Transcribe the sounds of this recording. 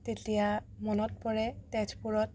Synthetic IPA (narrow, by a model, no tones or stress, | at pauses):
tetija | mɔnɔt̚pɔɹɛtɛd͡ʒpuɹɔt̚